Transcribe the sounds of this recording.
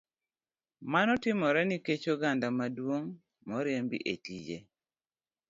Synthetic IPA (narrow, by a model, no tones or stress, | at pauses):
manɔtɪmɔɾɛniket͡ʃoɡandamadwoŋ | mɔɾjembḭʔḛtid͡ʒḛ